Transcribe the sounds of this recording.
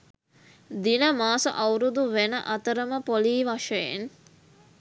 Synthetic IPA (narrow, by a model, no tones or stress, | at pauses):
d̪inəmaːsuʔɐwɾud̪uʋenəʔɐt̪əɾəməpoliːʋaʂəjḛn